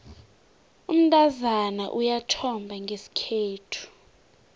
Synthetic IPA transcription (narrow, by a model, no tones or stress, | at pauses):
um̩tʼazanaʔujatʰɔmbʱaŋɡʱesi̥kʰeːtʰu̥